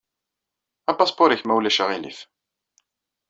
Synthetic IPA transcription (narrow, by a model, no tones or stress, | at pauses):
æpɑspoɾiçmæwlæʃaʁilḭθ